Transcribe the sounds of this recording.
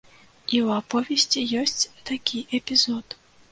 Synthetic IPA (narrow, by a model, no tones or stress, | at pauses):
iwapɔvʲɛsʲt͡sʲijɔsʲt͡sʲt̪akʲʰiʔɛpʲizɔt̪